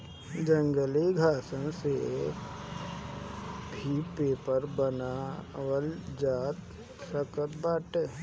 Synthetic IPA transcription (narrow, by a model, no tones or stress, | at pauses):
d͡ʒə̃ŋɡəliɡʱaːsənse | bʱipːeːpəɾbənawəld͡ʒaːt̪ | səkət̪baːʈeː